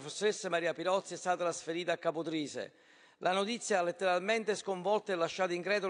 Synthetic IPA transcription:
fesːoɾesːamaɾiːapilɔt̪sːiɛst̪aːt̪aasfeɾiːt̪akːapʊt̪ɾiːsḛ | lʔanot̪it̪sːjaalːet̪ːeɾalment̪eskoɱvɔlt̪aɛlːaʃːaːt̪aiŋkɾɛːd̪o

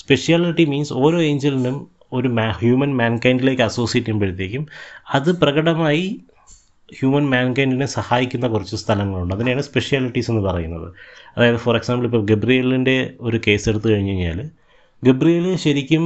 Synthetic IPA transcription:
spe̞ʂijaːliʈːimiːnso̞ːɾo̞ːe̞ːɲd͡ʑelinum | o̞ɾumhjuːmɐnmaːnkɐjndile̞ːkːɨɐso̞ːsijetːimpeɽit̪ːiikʲːumɐðɨprɐɣɐɽɐmaːji | hjuːmɐnmaːnkɐjndinesɐhaːjikʲːunːɐkurit͡ɕːɨst̪ʰɐlɐŋːɐɭuɳɖɨɐðinejaːɳɨspe̞ʂijaːliʈːise̞nːɨpɐrɐjunːɐðɨ̰ɐðaːjðɨfoːreksaːmbɐlipːoːɡebrijɐlinde̞o̞ɾuke̞ːse̞ɽut̪ːɨkɐɻiɲːɐɲːa̰ːl | ɡebrijɐlilɕɐɾikʲːum

